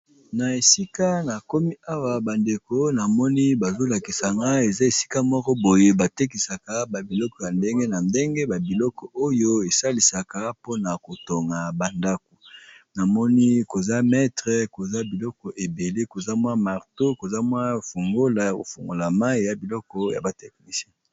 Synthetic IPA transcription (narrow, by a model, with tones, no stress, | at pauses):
na˨e˨si˦ka˦na˨ko˦mi˦a˦wa˨ba˨nde˨ko˦na˨mɔ˦ni˦ba˨zo˦la˨ki˨sa˨ŋɡa˦e˨za˦e˨si̥˦ka˦mɔ˦kɔ˦bo˨je˦ba˨te˦k̬i˨sa˨ka˨˦ba˨bi˨lɔ˦kɔ˨ja˨nde˦ŋɡe˦na˨nde˦ŋɡe˦ba˨bi˨lɔ˦kɔ˨o˦jo˦e˨sa˦li˨sa˨ka˦po˦na˨ko˨to˨ŋɡa˨ba˨nda˦ko˨na˨mɔ˦ni˦ko˨za˦mɛ˦tʁɛ˨ko˨za˦bi˨lɔ˦kɔ˨ʔe˨be˨le˦ko˨za˦mwa˦ma˨ʁto˦ko˨za˦mwa˦fu˨ŋɡo˦la˨ja˨ko̰˨fu˨ŋɡo˨la˨ma˦i˦ja˨bi˨lɔ˦kɔ˦ja̰˨ba˨tɛ˨k̚ni˨sjɛ̃˦